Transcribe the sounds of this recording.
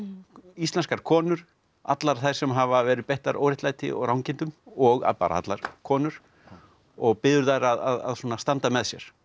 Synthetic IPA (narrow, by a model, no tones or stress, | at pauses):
ist̪ɛnskaɾ̥kʰɔːnʏɾ̥ | a̰t̪laɾ̥θajɾ̥sɛmɦavavɛːɾɪðpɛjht̪aɾo̰ːwɾɪht̪laːjt̪ɪ̰ʔɔ̰ɣɾrawŋcɪnt̪ʏmɔɣa̰pa̰ɾaa̰t̪laɾ̥kʰɔːnʏɾ̥ | ɔɣpɪðʏɾðajɾaðaða̰ðsuːnast̪ant̪amɛðsjɛ̰ɾ̥